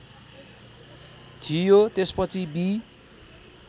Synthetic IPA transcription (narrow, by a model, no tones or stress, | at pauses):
t̪ʰijot̪espʌt͡sʰibi